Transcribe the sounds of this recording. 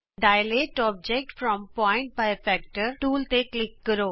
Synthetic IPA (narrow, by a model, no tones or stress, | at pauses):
ɖaːɪleːʈɔːb̚d͡ʒɛk̚ʈfɾɔ̃mpɔ̃ːɪ̃ɳʈ̚baɪfɛːk̚ʈəɾʈuːlt̪eklɪkːəɾoː